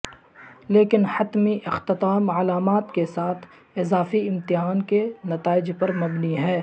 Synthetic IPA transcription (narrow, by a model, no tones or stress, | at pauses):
leːkɪnhɐt̪miʔɪxt̪ɪt̪aːmɐlaːmaːt̪kesaːt̪ʰ | ɪzaːfiɪmt̪ɪɦaːnkenɐt̪aːɪd͡ʒpɐɾmɐbniɦɛː